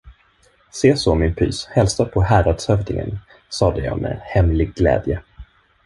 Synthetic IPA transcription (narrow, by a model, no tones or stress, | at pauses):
seːsɔmɪnpʰy̰ːshɛlsapʰɔɦæːɾad̪shœvd̪ɪŋə̰n | sɑːd̪ɛjɑ̰ːmʔḛːhɛmlɪɡ̚ːlɛ̰ːd̪jə